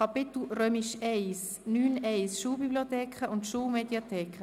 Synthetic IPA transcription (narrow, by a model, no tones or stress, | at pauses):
kɑpɪt̪l̩ɾøːmiʃɛɪs | nyːnɛɪsʃuːlbibliot̪ɛːkχəʔʊntʃuːlmediat̪ʰɛːkχə